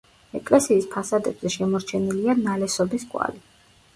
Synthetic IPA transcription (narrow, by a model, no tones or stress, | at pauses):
ɛkʼlɛsiːspʰasad̪ɛbzɛʃɛmɔɾt͡ʃʰɛnilianalɛsɔbiskʼwa̰li